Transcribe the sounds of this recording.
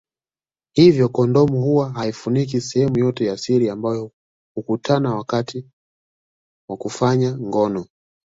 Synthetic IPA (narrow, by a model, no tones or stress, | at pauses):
hivjɔkɔndɔmuhuwaɦaifunik̬isɛhɛmujɔtɛjasiɾiambajɔ | hukutʰanawakatʰi | wakufaɲaŋɡɔnɔ